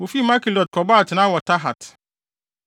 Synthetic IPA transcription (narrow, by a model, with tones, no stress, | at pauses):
wo˨fi˦˨ma˦ki˨lɔ˨d̚kʰɔ˨ba˦˨tnã˦wɔ˨tʰa˦ɦa̰˨t